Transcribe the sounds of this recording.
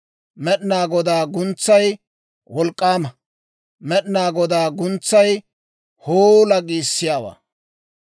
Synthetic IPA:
mɛɗɪnaːɡɔd̪aːɡʊnt͡sːɐj | wɔlkʼːaːmɐ | mɛɗɪnaːɡɔd̪aːɡʊnt͡sːɐj | hoːlɐɡiːsːɪjaːwa̰ː

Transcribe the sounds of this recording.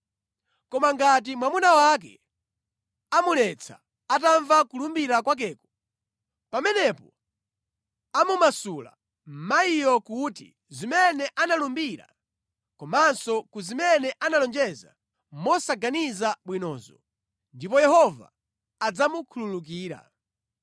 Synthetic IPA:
kɔmaŋɡat̬imwamunawakɛ | amulɛt͡sʰa̰ | ataɱvakulumbiɾakwak̬ɛːkɔ̥ | pamɛnɛpɔ | amumasula̰ | m̩maijɔkutḭ | zimɛnɛʔanalumbiɾa̰ | kɔmansɔkuzimɛnɛʔanalɔnd͡ʒɛza̰ | mɔsaɡanizaɓwinɔ̰ːzɔ | ndipɔjɛhɔva̰ː | d͡zamukʰululuk̬iːɾa̰

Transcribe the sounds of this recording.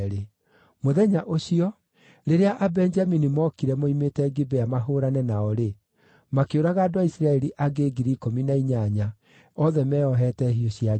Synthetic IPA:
ɾe | moðɛɲaʔoɕiɔ | ɾeɾeaʔabɛnd͡ʒaminimɔkiɾɛmoimetɛɡibɛamaɦoːɾanɛnaɔɾe | makeoɾaɣaːdoaisɾaɛɾiʔaɡeɡiɾikominaiɲaɲa | ɔðɛmɛɔɦɛtɛɦioɕia

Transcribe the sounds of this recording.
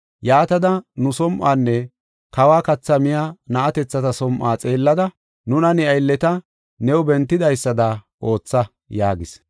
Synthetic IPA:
jaːt̪ɐd̪ɐnʊsɔmʔaːnːɛ | kɐwaːkɐt͡sːɐmɪjaːnɐʔɐt̪ɛt͡sːɐt̪ɐsɔmʔaːt͡sʼe̞ːlːɐd̪ɐ | nʊnɐnɛɐjlːɛt̪ɐ | nɛwʊbɛnt̪ːɪd̪ɐjsːɐd̪ɐ | ʔo̞ːt͡sːɐ | jaːɡɪs

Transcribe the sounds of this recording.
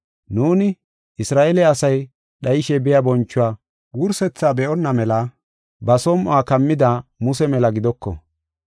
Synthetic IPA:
nuːnɪ | ʔɪsɾaːʔelɛɐsɐj | ɗɐjɪʃɛbɪjabɔnt͡ʃːʊwaː | ɡuɾsɛt͡sːaːbɛʔɔnːɐmɛlɐ | bɐsɔmʔaːkɐmːɪd̪amʊsɛmɛlɐɡɪd̪ɔkːɔ̰

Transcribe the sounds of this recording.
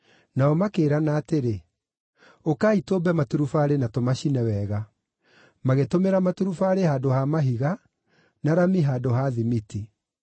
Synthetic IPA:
naɔmakeːɾanaːteɾe | okaːitoːbɛmatuɾufaːɾenatomaɕinɛwɛɣa | maɣetomeɾamatuɾufaːɾehaːdohamaɦiɣa | naɾamiɦaːdoɦaðimiti

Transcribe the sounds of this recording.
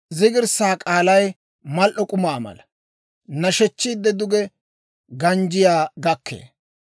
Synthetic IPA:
zɪɡɪɾsaːkʼaːlɐj | mɐlʔɔkʼʊmaːmɐ̰lɐ | nɐʃɛt͡ʃːiːd̪ːɛd̪ʊɡɛ | ɡɐnd͡ʒɪjaːɡɐkʰːḛː

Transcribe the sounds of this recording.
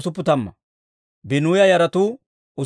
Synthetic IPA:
sʊpːʊt̪ɐmːɐ̰ | bɪnuːjɐjɐɾɐt̪uː | ʔʊ

